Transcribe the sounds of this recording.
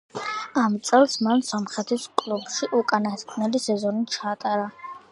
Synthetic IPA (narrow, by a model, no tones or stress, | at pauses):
amt̪sʼɛlˠsmansɔmχɾɛt̪ʰiskʼlˠubʃiʔukʼanakʰʼnɛlisɛzɔnit͡ʃʰaːt̪ʼaɾa